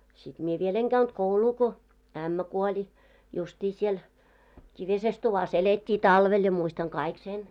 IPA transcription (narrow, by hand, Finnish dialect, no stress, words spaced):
sit mie ʋiel eŋ ɡ̊æynt kouluː ko æmːæ kuolʲi justʲi siel kiʋises tuʋɑs eletʲːiː tɑlʋel jɑ muistɑŋ kɑik sen